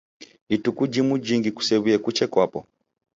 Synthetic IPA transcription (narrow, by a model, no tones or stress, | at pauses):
itukud͡ʒimud͡ʒiŋɡiku̥sɛβuɛkut͡ʃɛkwapɔ